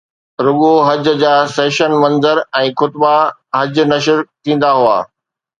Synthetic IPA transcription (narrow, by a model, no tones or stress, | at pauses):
ɾʊɠoɦɐd͡ʑd͡ʑaːseːʃənmɐ̃nzəɾɛ̃ːxʊt̪baɦɐd͡ʑnɐʃəɾt̪ʰĩːn̆d̪aɦʊa̰ː